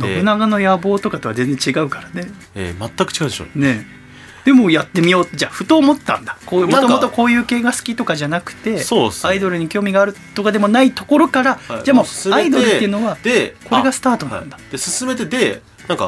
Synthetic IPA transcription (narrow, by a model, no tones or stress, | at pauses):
d̪oɯ̟naɡano̞jabo̞ːt̪o̞kat̪oβazẽ̞nd͡zẽ̞t͡ɕiɡaɯ̟kaɾane̞ | ḛmat̪ːakɯ̟t͡ɕiɡaɯd̪eɕo̰ne̞ | d̪̥e̞mo̞jat̪ːe̞mʲijo̞ːt̪ːed͡ʑaɸɯ̟̥t̪o̞ːmo̞t̪ːã̰nd̪ḁkoːmotomot̪o̞ko̞ːjɯ̟ːke̞ːɡasɨ̥kʲit̪o̞kaʑanakɯ̟̥t̪e̞soaid̪o̞ɾɯ̟ɲ̟ikʲo̞ːmʲiɡaːɾɯ̟t̪ːo̞kad̪e̞mo̞nait̪o̞ko̞ɾo̞kaɾad͡ʑamo̥aid̪o̞ɾɯt̪ːeɯ̟no̞βad̪eko̞ɾe̞ɡasɨ̥t̪aːt̪onã̰nd̪ḁd̪̥esɨsɨme̞t̪e̞d̪e̞ | nãŋka̰